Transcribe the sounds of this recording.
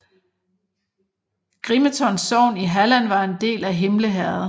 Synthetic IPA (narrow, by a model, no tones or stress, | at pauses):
ɡ̥ʁimət͡sʰɒ̽nsːɒʊ̰niɦælænʋɑ̈e̝nd̥e̝̰ːlæɦe̝mləɦæɐð̩ˠ